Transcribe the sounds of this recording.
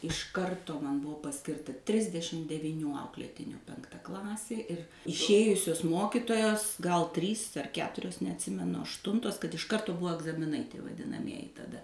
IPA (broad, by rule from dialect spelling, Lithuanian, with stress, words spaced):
ɪʃ ˈkɐrtʊ mɐn ˈbʊʋoː pɐˈsʲkʲɪrtɐ ˈtʲrʲɪzʲdʲɛʃʲɪm dʲɛʋʲɪˈnʲuː ˈɐʊklʲeːtʲɪnʲuː pʲɛŋkˈtɐ ˈklˠɑːsʲeː ɪr ɪʃʲˈeːjʊsʲʊs ˈmoːkʲɪtoːjoːs ɡɐlˠ ˈtʲrʲiːs ɐr ˈkʲæːtʊrʲoːs nʲɛɐtʲˈsʲɪmʲɛnʊ ɐʃˈtʊntoːs kɐt ɪʃ ˈkɐrtʊ ˈbʊʋoː ɐɡzɐmʲɪˈnɐɪ ʋɐdʲɪnɐˈmʲiɛjɪ tɐˈdɐ